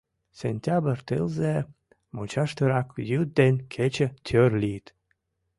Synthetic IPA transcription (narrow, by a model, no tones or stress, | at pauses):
senʲt̪ʲabərt̪ɨ̰lze | mut͡ɕɑʃt̪əɾɑkjyd̪̚d̪enʲkʰet͡ɕə̆t̪ʲʰørlʲit̪